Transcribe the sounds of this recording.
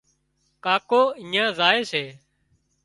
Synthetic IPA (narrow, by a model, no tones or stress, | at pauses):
kaːkoːĩːãːzaːeːseː